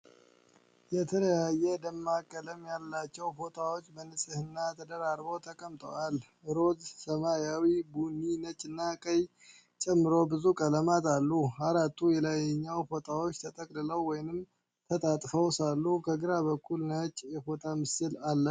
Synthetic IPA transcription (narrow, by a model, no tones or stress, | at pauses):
jɛt̪ʰələjajːɛd̪əmːakʼːələmjalːat͡ʃːɛwfo̞t̪ʼawo̞t͡ʃːbənɨsʼɨhɨnːat̪ʰəd̪əɾaɾbo̞t̪ʰəkʼəmt̪ʼə̰wal | ɾo̞d̪səmajawibunːinət͡ʃʼɨnːakʼəj | t͡ʃʼɛmːɨɾo̞bɨzukʼələmat̪alːuaɾat̪ʰːujɛlajɛɲːawfo̞t̪ʼawot͡ʃːt̪ʰət̪ʼəkʼlɨləwːɔjnɨm | t̪ʰət̪ʼat̪ʼfəwsalːukʰəɡɨɾabəkʰːulnət͡ʃʼjɛfo̞t̪ʼamɨsɨlalːə